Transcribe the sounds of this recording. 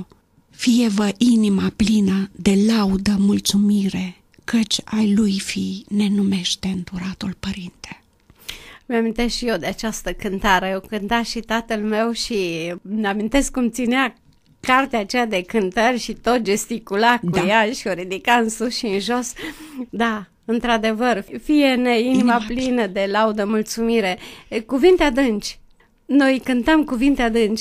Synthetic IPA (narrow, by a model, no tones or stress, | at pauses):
fijevəʔinimaplinəd̪e̞laud̪əmult̪sumiɾe̞ | kət͡ʃʲajlujfijne̞nume̞ʃt̪e̞ɨnd̪uɾat̪ulpəɾint̪e | mjamint̪e̞sʃijewd̪eat͡ʃast̪əkɨnt̪aɾeokɨnt̪aʃit̪at̪əlme̞wʃineamint̪e̞skkumt̪sinea | kart̪eaːt͡ʃejad̪e̞kɨnt̪ərʲʃit̪o̞t̪̚d͡ʒe̞st̪ikulakujaʃio̞ɾid̪ikaɨnsuʃiɨnʒo̞sd̪a | ɨnt̪ɾad̪e̞vərfije̞ne̞inimaplinəd̪e̞laud̪əmult̪sumiɾe̞kuvint̪ead̪ɨnt͡ʃʲ | no̞jkɨnt̪əmkuvint̪ead̪ɨnt͡ʃʲ